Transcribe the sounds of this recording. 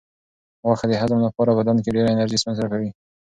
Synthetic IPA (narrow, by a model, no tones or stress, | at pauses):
ɣaxad̪əɦazmlapɑɾabad̪ank̬eɖeɾaɪnaɾʒismɪnzakawi